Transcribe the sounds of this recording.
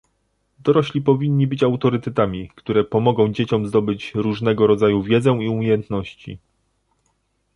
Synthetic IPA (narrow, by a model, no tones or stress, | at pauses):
d̪ɔɾɔɕlʲipɔvʲiɲːibɘt͡ɕawt̪ɔɾɘt̪ɛt̪amʲikt̪uɾɛpɔmɔɡɔ̃w̃d͡ʑet͡ɕɔmzd̪ɔbɘt͡ɕɾuʐnɛɡɔɾɔd̪zajuvʲjɛd̪zɛ̃iumʲjejɛnt̪nɔɕt͡ɕḭ